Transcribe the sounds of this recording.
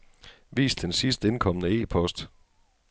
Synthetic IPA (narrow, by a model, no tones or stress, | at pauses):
ʋḭːsd̥ensisd̥əe̝nkʰɒ̽mənəe̝̰ːpʰɒ̽sd̥